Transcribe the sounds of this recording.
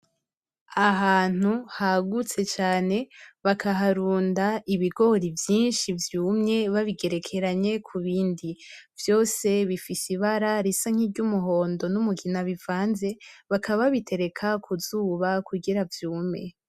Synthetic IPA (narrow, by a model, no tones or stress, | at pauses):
aɦaːn̥uhaɡut͡se̞t͡ʃaːne̞βakʰaɦaɾuːndaiβiɡo̞ɾivjiːnʃivjuːmɲe̞βaβiɡe̞ɾe̞kʰe̞ɾaɲe̞kʰuβiːndivjo̞ːse̞βifisiβaɾaɾisaŋ̥ibɟumuɦo̞ːndo̞numuɡinaβivaːnze̞βakaβaβitʰe̞ɾe̞kʰakʰuzuːβakʰuɡiɾavjuːmɲe̞